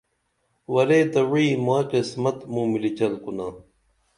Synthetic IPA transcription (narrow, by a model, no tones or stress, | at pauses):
wɐɾeːd̪ɐwiːmaːqismɐt̪mũmilit͡ɕɐlkunaː